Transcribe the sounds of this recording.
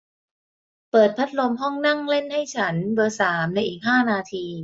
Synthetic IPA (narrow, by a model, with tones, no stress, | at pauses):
pɤː˨˩t̪̚pʰa˦˥t̪̚lo˧mɦɔ˥˩ŋna˥˩ŋle˥˩nha˥˩jt͡ɕʰa˦˥nbɤ˧saː˩˦mna˧jʔiː˨˩k̚ɦaː˥˩naː˧t̪ʰiː˧